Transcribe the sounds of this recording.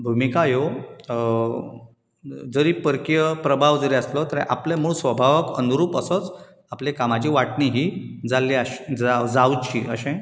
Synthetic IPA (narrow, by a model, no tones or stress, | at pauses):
bʱumikajo | d͡zəɾipəɾkjəpɾəbʱaʋd͡zəɾeəslɔt̪əɾẽʔaplemuɭsʋəbʱaʋəkənuɾuːpəsət͡s | aplekamat͡ɕiːʋaʈniɦiːd͡zalːiaɕd͡zad͡zawt͡ɕḭʔə̰ɕẽ